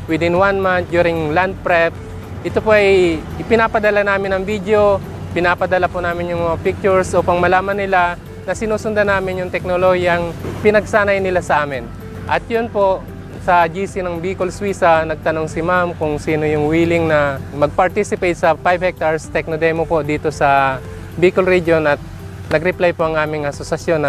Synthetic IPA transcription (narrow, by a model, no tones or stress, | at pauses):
wɪd̪ɪnwanmant̪̚d͡ʒ̪juːɾɪŋland̪̚pɾɛp̚ | ʔɪt̪opoʔɐjʔɪpɪnaːpɐd̪ɐlanaːmɪnɐŋvid̪eo̞ | pɪnaːpɐd̪ɐlapʊnaːmɪnjʊŋmɐŋapɪk̚t͡ʃʊɹsʔopɐŋmɐlaːmɐnːɪla | nɐsɪnuːsʊnd̪anaːmɪnjʊŋt̪ɛk̚nolohjɐŋpɪnɐɡ̚saːnɐjnɪlasɐʔaːmɪn | ʔɐt̪̚jʊnpo̞ʔ | sɐd͡ʒiːsɪnɐŋbiːkolswiːsɐnɐɡ̚t̪ɐnoŋsɪmamkʊŋsiːno̞jʊŋwiːlɪŋnɐmɐɡ̚pɐɹt̪isɪpɛjt̪sɐpajvhɛk̚t̪aɹst̪ɛk̚nod̪ɛjmopo̞d̪iːt̪o̞sɐ | biːkʊlɾid͡ʒo̞nʔɐt̪̚ | nɐɡɾɪplajpoʔɐŋʔaːmɪŋʔɐsosɐsjo̞n